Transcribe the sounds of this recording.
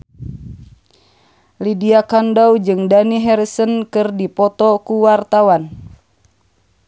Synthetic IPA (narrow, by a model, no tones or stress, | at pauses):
lidiakandawd͡ʒɨŋdaniɦɛɾisənkɨrdipɔt̪ɔkuwart̪awan